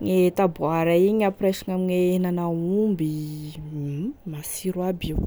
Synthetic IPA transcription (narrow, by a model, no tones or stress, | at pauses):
ŋet̪abuaɾaiɲapresaŋamiɲeenanaumbi | masiɾuabiw